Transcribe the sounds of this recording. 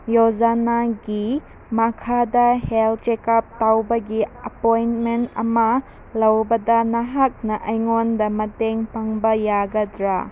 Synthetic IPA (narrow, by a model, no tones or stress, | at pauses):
jozanaɡi | mɐkʰadɐhelt͡ʃekap̚tawbɐɡiɐpojntmentɐ̰mɐ | lɐwbɐdɐnɐɦak̚nɐʔɐjŋondɐmɐteŋpaŋbɐjaɡɐdɾa